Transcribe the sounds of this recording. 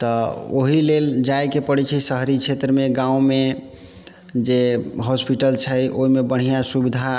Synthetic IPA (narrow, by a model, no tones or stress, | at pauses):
t̪ɔo̰ɦileld͡ʒajkepəɽɛt͡ʃʰɛsəɦɾit͡ʃʰet̪ɾəmeɡãũme | d͡ʒeɦɔspiʈəlt͡ʃʰəjʔoɦimebəɽ̤ijasubid̪ʱa